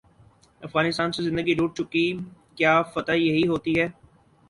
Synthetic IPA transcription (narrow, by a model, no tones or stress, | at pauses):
ɐfɣaːnɪst̪aːnsizɪ̃nd̪əɡiɾuːʈ̚t͡ʃʊkikjaːfɐt̪ajɐɦiɦoːt̪iɦɛː